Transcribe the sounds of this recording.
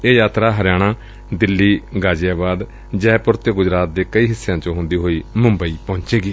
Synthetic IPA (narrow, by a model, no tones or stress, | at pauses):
eːjaːt̪ɾaːɦəɾjaːɽ̃ãː | d̪ɪlːiːɡaːd͡ʒjaːbaːd̪ | d͡ʒɛːpʊɾt̪eːɡʊd͡ʒɾaːt̪̚d̪eːkəiːɦɪsːjãːt͡ʃõːɦʊ̃nd̪iːɦoːiːmʊ̃mbəiːpɔ̃ːɲt͡ʃeːɡiː